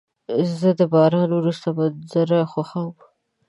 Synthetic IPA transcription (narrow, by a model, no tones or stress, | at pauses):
zəd̪əbɑɾɑnwɾust̪abazəɾaxaxawəm